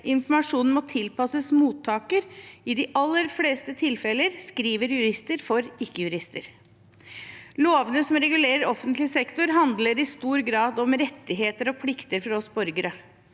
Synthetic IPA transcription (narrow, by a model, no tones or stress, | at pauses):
ʔɪnfmɑʂuːnn̩mɔt̪ʰɪlpɑsəsmuːt̪ʰːɑːkəɾɪd̪ɪʔɑlːəɾfleːst̪ət̪ʰɪlfɛləɾskɾiːʋəɾjʉɾɪst̪əɾfɔɾɪkːəjʉɾɪst̪əɾ | loːʋənəsɔmɾɛɡʉleːɾəɾɔfːənt̪lɪsɛkt̪ʊɾɦɑnd̪ləɾɪst̪uːɾɡɾɑːd̪ɔmɾɛt̪ːɪɦeːt̪əɾɔpʰlɪkt̪əɾfɔɾɔsbɔɾɡəɾə